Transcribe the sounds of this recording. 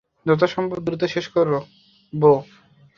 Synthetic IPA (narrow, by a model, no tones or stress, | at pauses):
d͡ʑɔt̪̬aʃɔmbobd̪ɾut̪oʃeʃkoɾːo | bo